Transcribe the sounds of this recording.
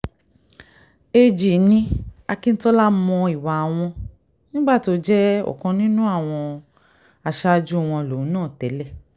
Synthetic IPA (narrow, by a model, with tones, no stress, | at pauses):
e˧d͡ʒi˨nĩ˧a˧ki˦n̩˦tɔ˦la˦mɔ̃˧i˨wa˨˧w̃ɔ̃˧ | nĩ˦ɡ͡ba˦˨to˧d͡ʒɛ˦ɔ̰˨kɔ̃˧nĩ˦nũ˦a˦˨w̃ɔ̃˧ | a˧ʃa˦˧d͡ʒu˦˨w̃ɔ̃˧lõ˨˦nãː˦˨tɛ˨˦lɛ˦˨